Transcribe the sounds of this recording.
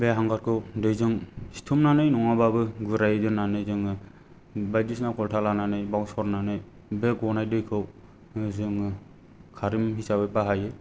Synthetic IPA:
beɦaŋɡaɾkʰɯwdɯjzɯŋsi̥tʰumnanɯjnɔŋababɯɡɯɾajdɯnanɯjzɯŋ | bajdisnakʰɔltʰalananɯjbawŋsɔɾnanɯj | beɡɔnajdɯjkʰɯw | zɯŋ | kʰaɾimhisabɯbaɦajɯ

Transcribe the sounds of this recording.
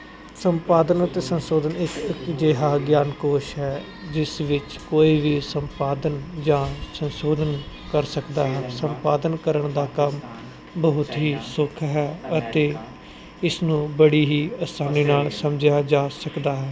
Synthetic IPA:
səmpaːd̪ənət̪eːsənsoːd̪ənɪkkd͡ʒeːɦaːɡjaːnkoːʃɦɛː | d͡ʒɪsʋɪt͡ʃ | koːiːʋiːsəmpaːd̪ənd͡ʒãːsənsoːd̪ʱən | kəɾsəkd̪aːɦɛːsəmpaːd̪ənkəɾəɳd̪aːkəm | bəɦʊt̪ɦiːsʊkʰɦɛːət̪eː | ɪsnũːbəɽiːɦiːəst̪aːniːnaːlsəmd͡ʒjaːd͡ʒaːsəkd̪aːɦɛː

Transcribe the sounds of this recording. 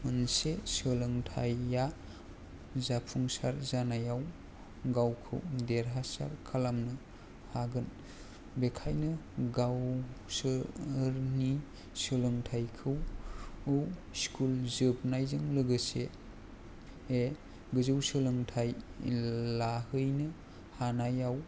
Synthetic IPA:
mɯnsesɯlɯŋtʰa̰jːa | zapʰuŋsaɾzanajaw | ɡawkʰɯ̰wdeɾɦasa̰ɾkʰalamnɯ | haɡɯn | bekʰajnɯɡawsɯɾni | sɯlɯŋtʰajkʰɯw | ɯwskʰulzɯbnajzɯŋlɯɡɯse | e | ɡɯzɯwsɯlɯŋtʰaj | lahɯjnɯ | hanajaw

